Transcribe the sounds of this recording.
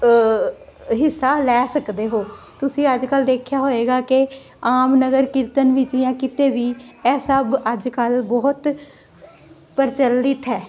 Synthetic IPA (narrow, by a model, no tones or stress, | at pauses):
ɦɪsːaːlɛːsəkd̪eːɦoː | t̪ʊsĩːəd͡ʒkəld̪eːkʰjaːɦoːeːɡaːkɪ | aːmnəɡəɾkɪɾt̪ənʋɪt͡ʃijãːkɪt̪eːʋiːɛːsəbəd͡ʒkəlbɔːt̪ | pəɾt͡ʃəlːɪt̪ɦɛː